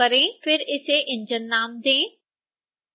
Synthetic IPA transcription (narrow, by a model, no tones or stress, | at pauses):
əɾẽːpʰɪɾɪseːʔɪ̃ɲd͡ʒənːaːmd̪ẽː